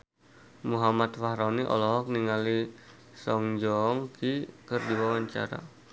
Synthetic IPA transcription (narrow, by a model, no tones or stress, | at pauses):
muɦamat̪fahɾɔniʔɔ̰lɔɦɔk̚niŋali | sɔŋd͡ʒɔŋkikɨrdiwawaɲt͡ʃa̰ɾa̰